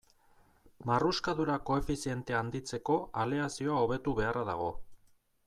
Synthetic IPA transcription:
maruskaðuɾako̞e̞fisie̞nt̪eand̪it͡se̞ko̞ale̞asio̞ao̞β̞e̞t̪uβe̞araða̰ɣ̞o̞

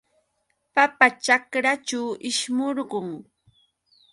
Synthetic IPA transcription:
papat͡ʃakɾat͡ʃawʔɪʃmoɾɢoŋ

